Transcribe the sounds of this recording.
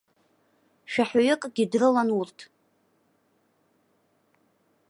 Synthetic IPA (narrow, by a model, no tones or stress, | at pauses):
ʃᶣaħaɥʏkʼɡʲɪdrɨlanurtʰ